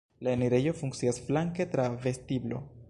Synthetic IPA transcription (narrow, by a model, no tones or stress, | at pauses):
laeniɾe̞jo̞fuŋk̚t͡siasflaŋke̞tɾave̞stiblo̞̰